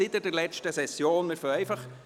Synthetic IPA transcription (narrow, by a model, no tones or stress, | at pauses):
ɪt̪əd̥ɛɾlɛt͡ʃtəsɛsjoːnmɪɾfœɛɪfɑχ